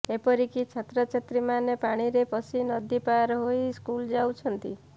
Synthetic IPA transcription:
epɔɾikit͡ʃʰat̪ɾɔt͡ʃʰet̪ɾimanepaɽ̃iɾepɔsinɔd̪ipaɾɦoiskuld͡ʒawt͡ʃʰɔnt̪i

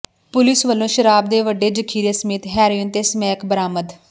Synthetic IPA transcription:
pʊlɪsʋəlːõːʃəɾaːb̚d̪eːʋəɖːeːd͡ʒəkʰiːɾeːsəmiːt̪ɦɛːɾoənt̪eːsəmɛːkbəɾaːməd̪

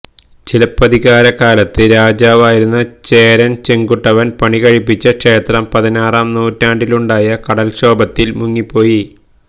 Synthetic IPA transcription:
t͡ɕilɐpːɐðiɣaːɾɐkaːlɐt̪ːɨɾaːd͡ʑaːʋaːjiɾunːɐt͡ɕeːɾɐnt͡ɕeŋɡuʈːɐʋɐnpɐɳiɣɐɻipːit͡ɕːɐkʂe̞ːt̪rɐmpɐðinaːraːmnuːtːaːɳɖiluɳɖaːjɐkɐɽɐlɕo̞ːbɐt̪ːilmuŋːipːo̞ːji

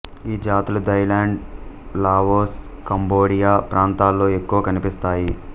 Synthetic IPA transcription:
iːd͡ʒaːt̪ulud̪ɐjlaːɳɖ | laːʋoːs | kɐmboːɽijaːpɾaːnt̪aːlːo̞ːe̞kːuʋɐkɐnipist̪aːji

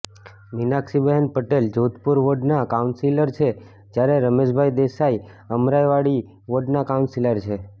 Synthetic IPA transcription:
ʋinakʃibəɦənpəʈeld͡ʒod̪puɾʋoɖnakaunsiləɾt͡ʃʰe | d͡ʒjaɾeɾəmed͡ʒbʱajd̪esai | əmɾajʋaɽi | ʋoɖnakaũnsiləɾt͡ʃʰe

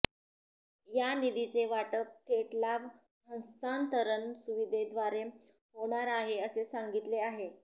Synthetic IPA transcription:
janid̪it͡seʋaʈəp̚t̪ʰeʈlaʋ | ɦə̃nst̪ʰant̪əɾənsuʋid̪ʱed̪ʋaɾe | ɦoɽ̃aɾaɦeəsesaŋɡit̪leaɦe

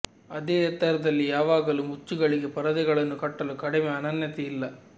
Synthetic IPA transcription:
ɐd̪eːɐt̪ːɐɾɐd̪ɐlːijaːʋaːɡɐlumut͡ʃːuɡɐɭiɡe̞pɐɾɐd̪iɡɐɭɐnːukɐʈːɐlukɐɽimeːɐnɐnjɐt̪ɛilːɐ

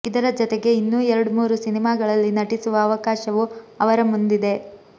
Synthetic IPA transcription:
id̪ɐɾɐd͡ʒɔt̪eɡe̞inːuːɛɾɐɽumuːɾusinimaːɡɐɭɐlːinɐʈisuʋɐːʋɐkaːʃɐʋuɐʋɐɾɐmund̪id̪e̞

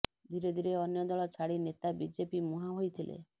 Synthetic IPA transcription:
d̪ʱiɾed̪ʱiɾeɔnjɔd̪ɔɭɔt͡ʃʰaɽinet̪abid͡ʒepimuɦaɦojt̪ʰilʔḛ

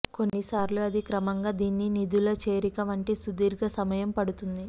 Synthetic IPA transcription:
ko̞nːisaːɾluɐd̪ʱikɾɐmɐŋɡaːd̪iːnːinid̪ulɐt͡ʃe̞ːɾikɐmɐɳʈeːsud̪iːɾɡɐsɐmɐjɐmpɐɽut̪und̪i

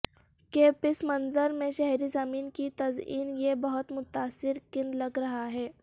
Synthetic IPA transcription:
keːpɪsmɐnzəɾmẽʃɛɦɾizɐmiːnkit̪ɐzḭːnjebɐɦʊt̪mʊt̪aːsːɪɾkɪnlɐɡɾɐɦaɦɛː

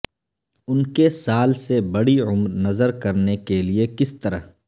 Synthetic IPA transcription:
ʊnkesaːlsebɐɽiʊmɾnɐzəɾkɐɾnekeliekɪst̪ɐɾəɦ

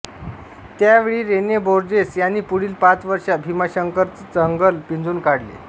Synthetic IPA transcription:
t̪jaʋeɭiːɾenjeboɾd͡ʑesjanːiːpuɽiːlpãt͡sʋəɾʂabʱimaɕəŋkəɾt͡st͡səŋɡəlpind͡zuːnkaɽlḛ

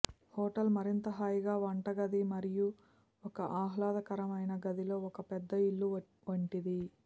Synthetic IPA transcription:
hoːʈɐlmɐɾint̪ɐɦaːjɡaːʋɐɳʈɐɡɐd̪imɐɾiju | ɔkɐʔaːɦlaːd̪ɐkɐɾɐmɐjnɐɡɐd̪ilo̞ːɔkɐpɛd̪ːɐiɭːu | ʋɐɳʈid̪i

